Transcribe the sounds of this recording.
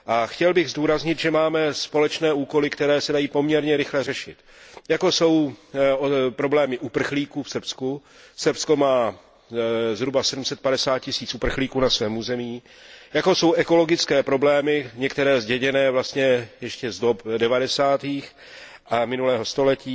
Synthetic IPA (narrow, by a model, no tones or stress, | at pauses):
ʔaxcɛlbɪɣzduːɾazɲɪt̪ʒɛmaːmɛspo̞lɛt͡ʃnɛːuːko̞lɪkt̪ɛɾɛːsɛdajiːpo̞mɲɛɾɲɛɾɪxlɛrɛʃɪt̪ | jakoso̞w | pɾo̞blɛːmɪʔupr̩xliːkuːfsr̩psku | sr̩psko̞maː | zɦɾubasɛdum̩sɛt̪̚padɛsaːt̪̚cɪsiːt͡sʔupr̩xliːkuːnasvɛːmuːzɛmiː | jako̞so̞wʔɛko̞lo̞ɡɪt͡skɛːpɾo̞blɛːmɪɲɛkt̪ɛɾɛːzɟɛɲɛnɛːvlast̪ɲɛjɛʃcɛzdopdɛvadɛsaːt̪iːx | ʔamɪnulɛːɦo̞st̪o̞lɛciː